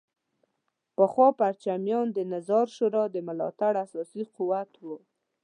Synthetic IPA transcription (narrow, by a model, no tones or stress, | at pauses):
pəxwɑpaɾt͡ʃamjɑnd̪ənazɑɾʃʊɾɑd̪əmʊlɑ̰t̪aɽasɑsiquwat̪wu